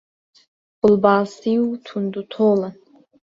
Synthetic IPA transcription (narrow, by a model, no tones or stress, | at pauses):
b̥ʊlbaːsiutʰund̪ut̪ʰola